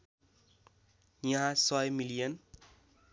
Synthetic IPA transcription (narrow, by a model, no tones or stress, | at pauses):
jʌ̃ɦãsʌjmilijʌn